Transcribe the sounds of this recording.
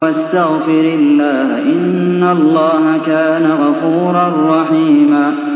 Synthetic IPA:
ast̪aɣfɪɾɪlːaːhʔɪnnːalˤːɑːɦakaːnaɣɑfuːɾˤɑrˤːɑħiːmaː

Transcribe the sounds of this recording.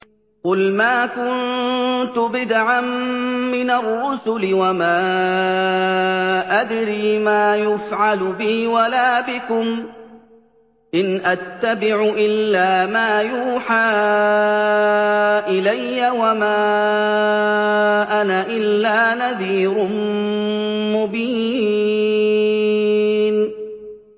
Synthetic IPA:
qʊlmaːkʊnt̪ʊbɪd̪ʕamːɪnarˤːʊsʊlɪwamaː | ʔad̪ɾiːmaːjʊfʕalʊbɪhwalaːbɪkʊm | ʔɪnʔat̪ːabɪʕʊʔɪlːaːmaːjuːħaː | ʔɪlajːawamaː | ʔanaʔɪlːaːnaðiːɾʊ | mʊbiː | n

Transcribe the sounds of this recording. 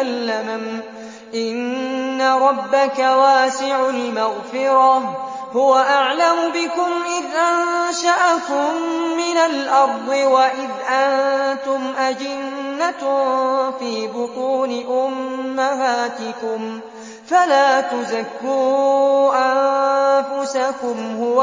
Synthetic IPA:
lːamam | ʔɪnːaɾˤɑbːakawaːsɪʕʊlmaɣfɪɾɑ | hʊwaʔaʕlamʊbɪkʊmʔɪðʔanʃaʔakʊmːɪnalʔɑɾˤd̪ˤɨwaʔɪðʔant̪ʊmʔad͡ʒɪnːat̪ | fiːbʊt̪ˤuːnɪʔʊmːaɦaːt̪ɪkʊm | falaːt̪ʊzakːuɾʔanfʊsakʊmhʊwa

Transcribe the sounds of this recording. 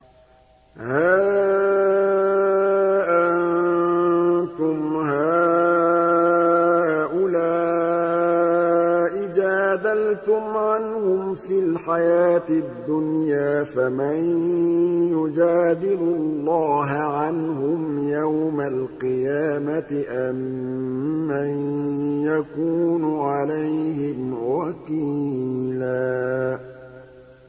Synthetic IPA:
haː | ʔan | t̪ʊmhaː | ʔʊlaː | ʔɪd͡ʒaːd̪alt̪ʊmʕanhʊmfilħajaːt̪ɪd̪ːʊnjaːfaman | jʊd͡ʒaːd̪ɪlʊlˤːɑːɦʕanhʊmjawmalqɨjaːmat̪ɪʔamː | anjakuːnʊʕalajhɪmwakiːlaː

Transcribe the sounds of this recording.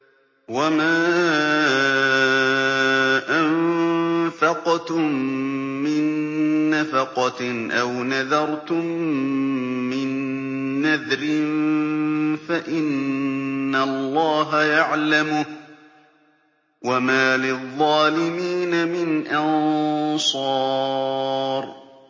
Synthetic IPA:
wamaː | ʔam | fɑqt̪ʊmː | ɪnːafɑqɑʔawnaðɑɾˤt̪ʊm | ɪnː | aðɾɪn | faʔɪnː | alˤːɑːɦajaʕlamʊ | wamaːlɪðˤːɑːlɪmiːnamɪnʔɑnsˤɑː | ɾ

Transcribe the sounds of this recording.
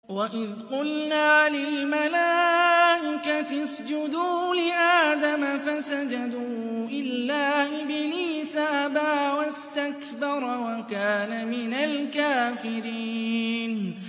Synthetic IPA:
waʔɪðqʊlnaːlɪlmalaːʔɪkat̪asd͡ʒʊd̪uːlɪʔaːd̪amafasad͡ʒad̪uːʔɪlːaːʔɪbɪliːsaʔbaːwast̪ak | bɑɾˤwakaːnamɪnalkaːfɪɾiːn

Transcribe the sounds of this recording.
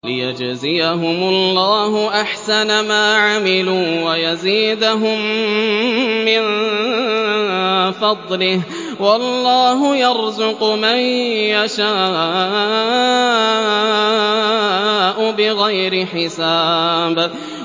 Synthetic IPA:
lɪ̰ja̰d͡ʒzɪjaɦʊmʊlˤːɑːɦʊʔaħsanamaːʕamɪluːwajaziːd̪aɦʊm | ɪn | fɑd̪ˤlɪh | wɑlˤːɑːɦʊjɑɾzʊqmajjaʃaː | ʔʊbɪɣajɾɪħɪsaːb

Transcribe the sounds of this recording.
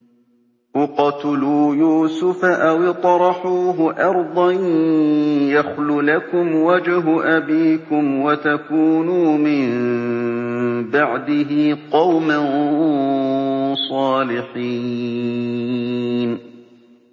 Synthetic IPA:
ʔʊqɑt̪ʊluːjuːsʊfaʔawɪt̪ˤɾˤɑħuːɦʊʔɑɾˤd̪ˤɑn | jaxlʊlakʊmwad͡ʒɦʊʔabiːkʊmwat̪akuːnuːmɪn | baʕd̪ɪɦɪqɑwman | sˤɑːlɪħiː | n

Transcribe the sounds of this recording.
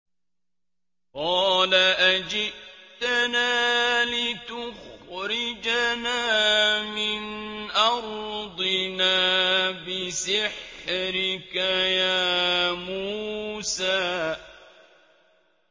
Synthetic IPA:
qɑːlaʔad͡ʒɪʔt̪anaːlɪt̪ʊxɾɪd͡ʒanaːmɪnʔɑɾd̪ˤɪnaːbɪsɪħɾɪkajaːmuːsaː

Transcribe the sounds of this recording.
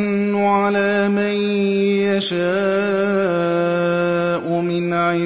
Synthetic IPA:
nː | ʊʕalaː | man | jaʃaː | ʔʊmɪnaɪ

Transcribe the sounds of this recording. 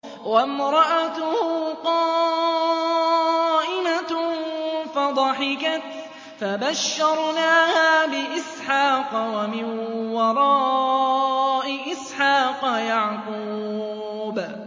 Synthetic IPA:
wamɾˤɑʔat̪ʊhʊqɑː | ʔɪma | fad̪ˤɑħɪkat̪ | fabaʃːɑɾˤnaːhaːbɪʔɪsħaːqwamɪnwɑɾˤɑː | ʔɪʔɪsħaːqjaʕquː | b

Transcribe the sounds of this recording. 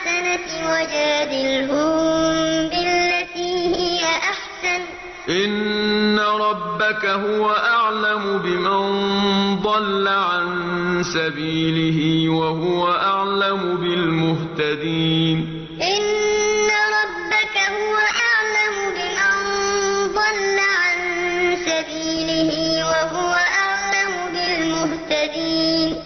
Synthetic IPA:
sanawad͡ʒaːd̪ɪlɦʊmmmbɪlːat̪iːhɪjaʔaħsan | ʔɪnːaɾˤɑbːakaɦʊwaʔaʕlamʊbɪmand̪ˤɑlːaʕan | sabiːlɪɦɪwaɦʊwaʔaʕlamʊbɪlmʊɦt̪ad̪iːn | ʔɪnːaɾˤɑbːakahʊwaʔaʕlamʊbɪmand̪ˤɑlːaʕansabiːlɪhɪwaɦʊwaʔaʕlamʊbɪlmʊht̪ad̪iːn

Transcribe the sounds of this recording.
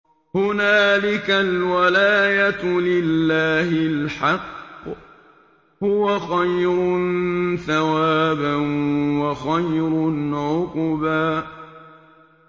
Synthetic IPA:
hʊnaːlɪkalwalaːjat̪lɪlːaːhɪlħɑqː | hʊwaxajɾʊnθawaːbanwaxajɾʊnʕʊqʊbaː

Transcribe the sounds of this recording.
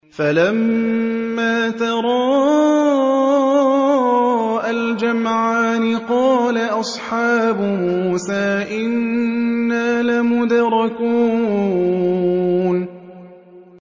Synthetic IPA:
falamː | aːt̪ɑɾˤɑː | ʔald͡ʒamʕaːnɪqɑːlaʔɑsˤħɑːbʊmuːsaːʔɪnː | aːlamʊd̪ɾˤɑkuː | n

